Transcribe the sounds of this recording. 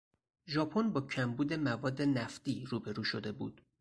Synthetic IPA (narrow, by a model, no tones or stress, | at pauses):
ʒɒːpʰonbɒːcʰæmbuːd̪e̞mævɒːd̪ːe̞næft̪iːɾuːbe̞ɾuːʃod̪e̞buːd̪̥